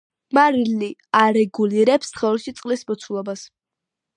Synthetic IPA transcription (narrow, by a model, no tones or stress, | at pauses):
maɾiliaɾɛɡuliɾɛpst̪ʰχɛɛlʃit̪sʼqʼlismɔt̪sʰulˠɔbas